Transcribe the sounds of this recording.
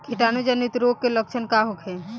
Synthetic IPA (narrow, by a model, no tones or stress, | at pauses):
kʰiʈanud͡ʒənit̪ɾoɡ̚kelək̚t͡ʃʰənkaɦokʰe